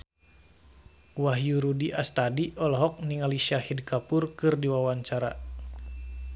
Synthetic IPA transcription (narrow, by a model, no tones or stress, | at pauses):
waɦjuɾudiʔast̪adiʔɔlɔɦɔk̚niŋaliʃiahidkapurkɨrdiwawaɲt͡ʃaɾa